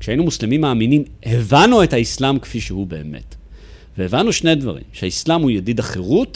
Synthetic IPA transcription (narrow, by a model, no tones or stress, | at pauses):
kʃainumuslemimːaːminim | hevanuethaislamkfiʃehube̞̰ːmḛt | veevanuʃne̞jdva̰ʁḭmʃehaislamhujadidaχeʁut